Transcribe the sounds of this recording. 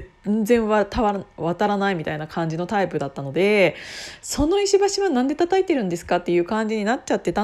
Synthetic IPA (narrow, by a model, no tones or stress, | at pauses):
nd͡zẽ̞ɰ̃βat̪aβaβat̪aɾanaimʲit̪ainakʰãɲ̟d͡ʑino̞t̪aipɯ̟d̪at̪ːano̞d̪e̞ | so̞no̞iɕibaɕiβanãnd̪et̪at̪ait̪e̞ɾɯ̟nd̪e̞sɨ̥kat̪ːe̞jɯ̟ːkãɲ̟d͡ʑiɲ̟inat͡ɕ̚t͡ɕat̪ːe̞t̪a